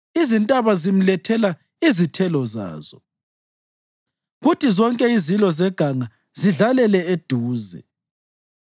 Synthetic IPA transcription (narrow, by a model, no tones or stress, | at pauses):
izintʼaβazim̩lɛtʰɛla | izitʰɛlɔza̰ːz̥ɔ | ɣutizɔŋkʼɛizilɔzɛɡ̥ʱaŋa | ziɮalɛlɛed̥ʱuːzɛ̰